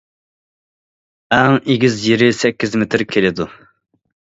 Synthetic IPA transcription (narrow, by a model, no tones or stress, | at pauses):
ɛŋeɡʲizjeɾɪsɛkʲːizmet̪ʰɪɾkʲʰelɪd̪u